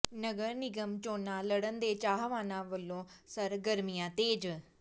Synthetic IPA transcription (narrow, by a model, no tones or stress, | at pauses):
nəɡəɾnɪɡəmt͡ʃoːnãːləɽənd̪eːt͡ʃaːɦʋaːnãːʋəlːõːsəɾɡəɾmɪjãːt̪eːd͡ʒ